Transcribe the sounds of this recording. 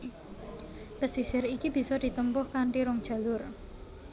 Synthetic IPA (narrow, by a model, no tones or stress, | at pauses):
pəsisɪɾikib̥i̤sɔd̪̥i̤t̪əmpʊhkaɳʈiɾʊŋ̥ʒ̥ä̤lʊr